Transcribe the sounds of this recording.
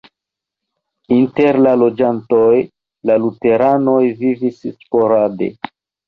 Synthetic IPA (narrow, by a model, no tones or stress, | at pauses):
inte̞ɾlalo̞d͡ʒanto̞j | lalute̞ɾano̞jvivisspo̞ɾade̞̰